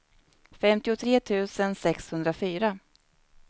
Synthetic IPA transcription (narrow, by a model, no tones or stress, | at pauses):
fɛmt̪ɪʊt̪ʰɾeːt̪ʰʉ̟ːsənsɛkshɵnd̪ɾafyːɾa